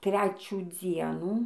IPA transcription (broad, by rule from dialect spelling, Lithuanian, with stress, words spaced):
ˈtʲrʲæːt͡ʃʲuː ˈd͡zʲiɛnuː